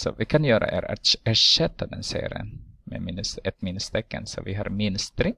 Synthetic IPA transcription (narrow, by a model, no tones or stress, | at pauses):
sɔvɪkʰanjœːɾʔa̰ʔeɾaæːʂɛt̪ːad̪ɛnseːɾɪənmɛ̰mɪnːəsɛt̪mɪnːst̪ʰɛkːənsɔvɪɦaɾmɪnst̪ʰɾɪ